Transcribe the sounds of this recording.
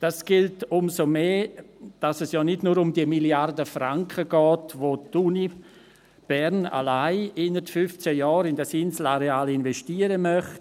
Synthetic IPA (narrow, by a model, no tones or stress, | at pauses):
d̥asɡ̥ɪltʊmsomeːd̥asɛsjɔːnɪdnuːɾʊmdiəmiljardəfraŋkχəɡɔːtʋotuni | b̥ɛɾna̰laɪɪnətfʏft͡sɛjɔːɾɪndɛsɪnsl̩aɾeaːlɪnvɛstiːəɾəmœχt